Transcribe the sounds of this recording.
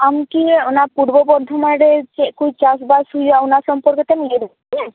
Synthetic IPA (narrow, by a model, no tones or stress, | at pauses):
amkionaɾpuɽbɔbɔɾd̪ʱɔmaɾet͡ʃekujt͡ʃasbasɦujaonaɾsɔmpɔɾkɔt̪ɛmileɾɔ | nɛ